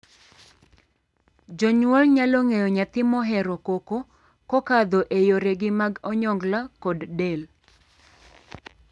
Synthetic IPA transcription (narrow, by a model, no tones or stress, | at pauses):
d͡ʒɔɲwɔlɲalɔŋejɔɲat̪ɪmɔɦɛɾɔkoko | kɔkad̪oʔejoɾeɡɪmaɡɔɲɔŋɡlakɔddel